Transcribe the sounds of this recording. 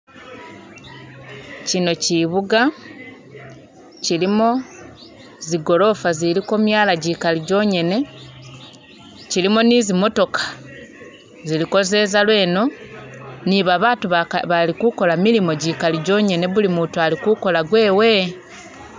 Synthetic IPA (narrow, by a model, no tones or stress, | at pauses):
cino̞ciβuɡa | cilimo̞ | ziɡo̞lo̞faziɾiko̞mjaːlaɟikaliɟo̞ːɲe̞ne̞ | cilimo̞nizimo̞to̞kḁ | ziliko̞ze̞ːzalwe̞ːno̞ | niβaβaːtuββalikuko̞lamilimo̞ɟikaliɟo̞ːɲe̞ne̞βulimuːtualikuko̞laɡwe̞ːwe̞